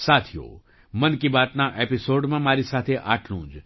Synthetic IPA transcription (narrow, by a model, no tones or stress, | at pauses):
sat̪ʰijo̰ | mənkibaːt̪naʔepisoɖmãmaːɾisat̪ʰeʔaʈʰlũːd͡ʒ